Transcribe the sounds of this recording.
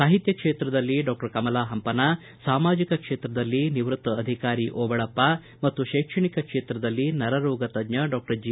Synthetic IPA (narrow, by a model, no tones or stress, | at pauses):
saːɦit̪jɐkʂeːt̪ɾɐd̪ɐlːiɖaːk̚ʈɐɾkɐmɐlaːɦɐmpɐnaː | saːmaːd͡ʒikɐkʂeːt̪ɾɐd̪ɐlːiniʋɾut̪ːɐɐd̪ʱikaːɾiʔɔːbɐɭɐpːa | mɐt̪ːuʃeːkʂɐɳikɐkʂeːt̪ɾɐd̪ɐlːinɐɾɐɾɔːɡɐt̪ɐd̪ɲɐɖaːk̚ʈɐɾd͡ʒi